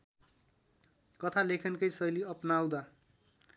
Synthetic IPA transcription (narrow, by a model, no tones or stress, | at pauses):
kʌt̪ʰalekʰʌnkʌjsʌjliʌpnawd̪a